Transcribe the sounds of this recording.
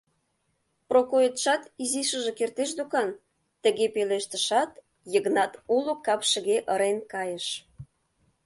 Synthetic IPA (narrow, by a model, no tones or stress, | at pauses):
prokoet̪ʃɑt̪iziʃə̆ʒĕkert̪eʃ̬d̪ukɑn | t̪ə̆ɣepeleʃt̪ə̆ʃɑt̪ | jəɣnɑt̪ulokɑpʃə̆ɣeʔəɾenkɑjə̆ʃ